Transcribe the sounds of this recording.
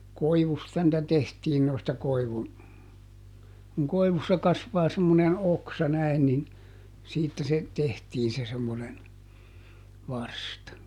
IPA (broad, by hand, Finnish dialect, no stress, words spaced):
koiʋustɑ nĭtæ tehtiːn noistɑ koiʋun kuŋ koiʋusːɑ kɑsʋɑː semːonen oksɑ næi̯n nin siːtːæ se tehtiːn se semːonen ʋɑrstɑ